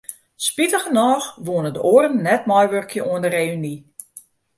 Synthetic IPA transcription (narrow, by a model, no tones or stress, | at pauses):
spitəɣənɔːxʋoənədəʔoərən̩ːɛtmɔjʋørkʰjəʔuəndəreːyni